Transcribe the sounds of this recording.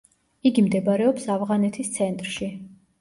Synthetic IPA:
iɡimd̪ɛbaɾɛɔpsavʁanɛt̪ʰist̪sʰɛnt̪ʼɾʃi

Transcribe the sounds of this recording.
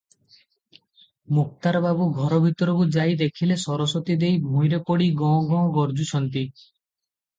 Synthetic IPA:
muk̚t̪aɾbabuɡʱɔɾɔbʱit̪ɔɾɔbud͡ʒajd̪ekʰilesɔɾɔsɔt̪id̪ejbʱũjɾepɔɽiɡɔ̃ɡɔ̃ɡɔɾd͡ʒut͡ʃʰɔnt̪i

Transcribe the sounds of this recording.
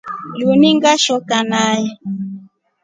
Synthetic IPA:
juniŋɡaʃɔkanajɛ

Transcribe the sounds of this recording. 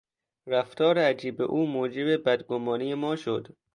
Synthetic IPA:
ɾæft̪ʰɒːɾeæd͡ʒiːbḛʔuːmoːd͡ʒe̞bebæd̪ɡomɒːnijemɒːʃod̪

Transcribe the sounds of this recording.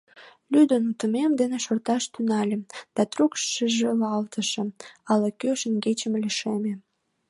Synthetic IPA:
lʲyd̪ənut̪əmemd̪eneʃort̪ɑʃt̪ynɑlʲemd̪̥ɑt̪rukʃʃəʒelɑlt̪əʃĕɑləkøʃənɡet͡ɕəmlʲiʃeme

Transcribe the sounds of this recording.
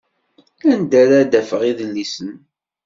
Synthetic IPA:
ænd̪æɾæd̪æfəʁiðəlːisən

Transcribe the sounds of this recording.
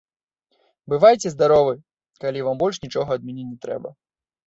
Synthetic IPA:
bɨvajt͡sʲɛzd̪aɾɔvɨ | kalʲivambɔlʲʂnʲit͡ʂɔɣɐɐd̪mʲɛnʲɛnʲɛt̪ɾɛ̰bɐ̰

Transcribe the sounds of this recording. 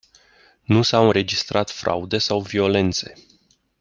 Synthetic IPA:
nusawɨnɾe̞d͡ʒist̪ɾat̪fɾa̰ud̪e̞sawvio̞le̞nt̪se̞

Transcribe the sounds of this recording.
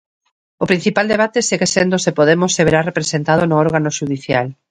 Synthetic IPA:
ʊpɾin̟θipald̪eβat̪eseɣesend̪ʊsepoðemʊsːeβeɾarepɾesent̪að̞ʊnʊɔɾɣanoʃuðiθjal

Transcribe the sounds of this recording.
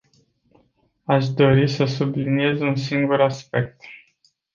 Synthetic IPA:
aʃd̪o̞ɾisəsublinie̞zunsiŋɡuɾaspe̞k̚t̪

